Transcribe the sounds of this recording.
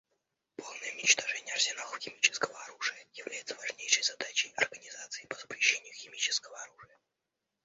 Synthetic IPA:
po̞lˠnəjəʊnʲɪt͡ɕt̪ɐʐɛnʲɪjəɐrsʲɪnalˠəfxʲɪmʲit͡ɕɪ̥skəvəɐɾuʐɨjəjɪvlʲæjɪt̪səvɐʐnʲejʂɨjzɐd̪at͡ɕɪjɐrɡənʲɪzat̪sɨipəzəpɾʲɪɕːenʲɪjʊxʲɪmʲit͡ɕɪ̥skəvəɐɾuʐɨjə

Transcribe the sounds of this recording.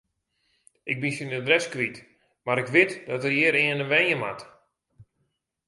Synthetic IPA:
ʔɪɡ̚binsinadrɛskʋit | maɾɪkʋɪtdɔtərjiəɾɪːənəʋɛnjəma̰t

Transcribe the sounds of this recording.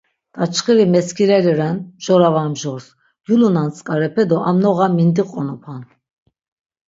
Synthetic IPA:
t̪ʼat͡ʃʰχiɾimɛskʰiɾɛɾiɾanʒɔɾavamʒɔɾs | julunant͡sʼkʼaɾɛpʰɛd̪ɔamnɔɣamind̪iqʼɔnɔpʰan

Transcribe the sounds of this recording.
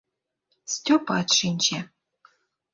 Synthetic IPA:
stʲopɑ̰t̪ʂinʲt͡ɕe

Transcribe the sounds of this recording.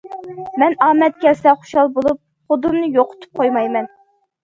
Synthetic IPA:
mɛnɑːmɛt̪̚kʲɛlsɛχo̥ʃɑlˠbolˠup̚ | χod̪umnɨjoqʰːʊ̥t̪ʰu̥p̚qʰojmɑjmɛn

